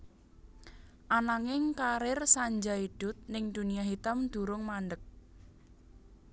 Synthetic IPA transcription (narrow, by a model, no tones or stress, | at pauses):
ʔanaŋɪŋkaɾɪrsaɲd͡ʒaiɖ̥ʊ̤t̪̚nɪŋd̪̥uniaɦit̪amd̪̥ṳɾʊŋmaɳɖək̚